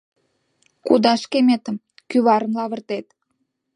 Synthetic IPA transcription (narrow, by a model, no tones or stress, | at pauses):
kud̪ɑʃkemet̪ə̆m | kyβɑɾə̆nlɑβə̆rt̪et̪